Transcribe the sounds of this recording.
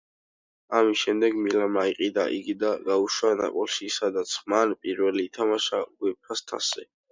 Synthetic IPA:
amisʃɛmd̪ɛɡmilamaiqʼid̪aʔiɡid̪aɡauʃwana̰pʼɔlˠʃisad̪at̪sʰmanpʼiɾvɛliːt̪ʰamaʃaɡwɛpʰast̪ʰa̰sɛ

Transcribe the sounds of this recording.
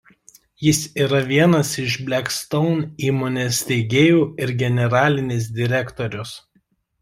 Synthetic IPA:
jɪsiːɾɐʋʲiɛnɐsɪʃbʲlʲɛkst̪ɔʊniːmoːnʲeːsʲt̪ʲɛɪɡʲeːjuːɪɾɡʲɛnʲɛɾɑːlʲɪnʲeːs̬d̪ʲɪɾʲɛkt̪oɾʲʊs

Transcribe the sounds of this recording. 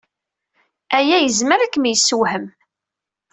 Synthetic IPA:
æjæjəzməɾækːmijəsːuwhəm

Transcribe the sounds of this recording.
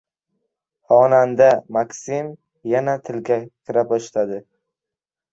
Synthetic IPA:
χɒnand̪amakʲsim | janat̪ʰɪlɡʲakʲʰɪɾapɒʃt̪ʰad̪ɪ

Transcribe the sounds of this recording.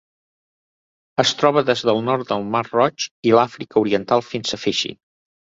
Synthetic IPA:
əst̪ɾɔβəðezðəlˠnɔɾt̪̚d̪əlˠmarrɔt͡ʃilafɾikəuɾiənt̪alˠfinsəfeʃḭ

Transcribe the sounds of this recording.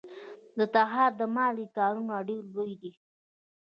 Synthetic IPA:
d̪ət̪aɦɑɾd̪əmɑlikɑɾunaɽilːojd̪i

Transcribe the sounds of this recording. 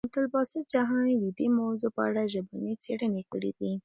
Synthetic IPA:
t̪ʊlbɑsəd͡ʒaɦɑnwid̪imawzopəa̰ɽaʒəbanet͡seɽənekəɽḭd̪i

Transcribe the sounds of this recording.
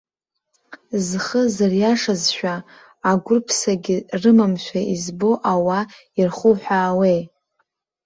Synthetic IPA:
zχəzarjaʂazʃᶣaː | ɡʷʊrpʰsaɡʲɪrɨmamʃʷᶣaizboʔawa | irχuħʷᶣaːwej

